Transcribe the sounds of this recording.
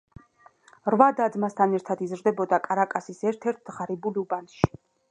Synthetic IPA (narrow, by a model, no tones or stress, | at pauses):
ɾvad̪ad̪mast̪ʰanɛɾt̪ʰad̪izɾd̪ɛbɔd̪akʼaɾakʼasisɛɾt̪ʰɛɾt̪̚ʰd̪ʁaɾibuliubanʃi̥